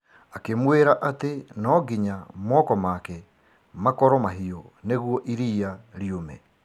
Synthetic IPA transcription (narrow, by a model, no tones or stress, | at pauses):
akemweɾaʔatenɔɡiɲamɔːkɔmakɛ | makɔɾɔmaɦiɔneɣwɔʔiɾiːaɾiomɛ